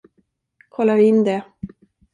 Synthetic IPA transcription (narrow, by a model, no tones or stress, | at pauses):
kʰɔlːaɾvɪɪnːd̪ɛ